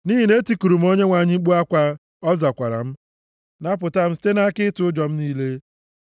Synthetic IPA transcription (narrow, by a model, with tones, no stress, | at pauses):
niː˦ɦi˨ne˦ti˦ku˨ɾu˨m̩˦o˦ɲe˦ŋʷa˨ɲɪ˦ŋ͡m̩˦ɡ͡bu˦a˦kʷa˦ | ɔ˦za˨kʷa˨ɾa̰˨m̩˦ | na˦p̬ʊ˨ta˦m̩˦si̥˦te˦na˦kɪ˦tʊ˨ʊ˦d͡ʒɔ˨m̩˦niː˦le˦